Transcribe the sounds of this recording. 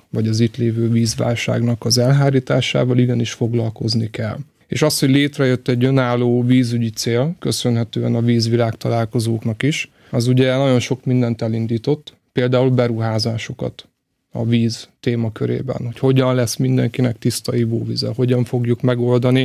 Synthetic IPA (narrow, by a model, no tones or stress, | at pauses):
vɒɟɒziːt̪leːvøːviːzʋa̰ːlʃa̰ːɡnɒkɒzɛlɦaːɾiːt̪aːʃa̰ːvɒliɡɛniʃfo̞ɡlɒlko̞znikɛl | ḛːʃɒst̪ho̞ɟleːt̪rɛjø̞t̪ːɛɟø̞naːlːoːviːzyɟit̪seːlkø̞sø̞nɦɛt̪øːɛ̰nɒviːzʋilaːkt̪ɒlaːlko̞zoːknɒkiʃ | ɒzuɟɛnɒɟo̞nʃo̞kmind̪ɛnt̪ɛlind̪iːt̪o̞t̪ː | peːld̪aːulbɛɾuɦaːzaːʃo̞kɒ̰t̪ | ɒ̰viːzt̪eːmɒkøɾḛːbɛ̰nho̞cho̞ɟɒnlɛsmind̪ɛŋkinɛkt̪ist̪ɒivoːvizɛ̰ho̞ɟɒɱfo̞ɡjukmɛɡo̞ld̪ɒni